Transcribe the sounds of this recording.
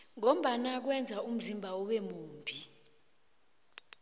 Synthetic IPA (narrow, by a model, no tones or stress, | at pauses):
ŋom̩ɓanak̬wɛnd͡zʱaum̩zimbʱaɔɓɛmuːmbʱi